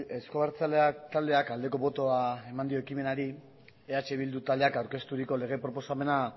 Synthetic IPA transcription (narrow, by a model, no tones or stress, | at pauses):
eskoβaɾt͡saleat̪ald̪e̞akald̪e̞ko̞βo̞t̪o̞ae̞mand̪io̞ekime̞naɾi | eat͡ʃe̞β̞ild̪ut̪ald̪eakawɾke̞st̪uɾiko̞le̞ɣ̞e̞pɾo̞po̞same̞na